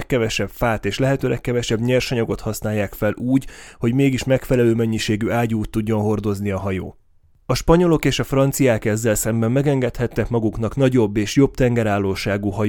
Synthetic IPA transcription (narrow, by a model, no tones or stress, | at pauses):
kːɛvɛʃɛpfaːt̪eːʃlɛɦɛt̪øːɾɛkːɛvɛʃɛbɲɛrʃɒɲɒɡo̞t̪hɒsnaːjːaːkfɛlʔuːɟho̞ɟmeːɡiʃmɛkfɛlɛløːmɛɲːiʃeːɡyaːɟuːt̪ːuɟːo̞nɦo̞rd̪o̞zniɒɦɒjo̰ː | ɒʃpɒɲo̞lo̞keːʃɒfrɒnt̪sijaːkɛzːɛlsɛmbɛmːɛɡɛŋɡɛt̪hɛt̪ːɛkmɒɡuknɒknɒɟo̞bːeːʃjo̞b̚t̪ɛŋɡɛɾaːlːoːʃaːɡuɦɒj